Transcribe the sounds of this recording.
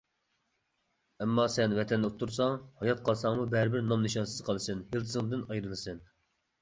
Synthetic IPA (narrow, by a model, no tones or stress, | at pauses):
ɛmːɑsɛnvɛt̪ʰɛnd̪ɛot̪ʰːuɾsɑŋhɑjɑt̪̚qʰɑlˠsɑŋmubɛɾɪbɪɾnɑmneʃɑnsɨz̥qʰɑlˠɨsɨnhilˠt̪ʰɨzɨŋɨd̪ɨnɑjɾɨlˠɨsɨn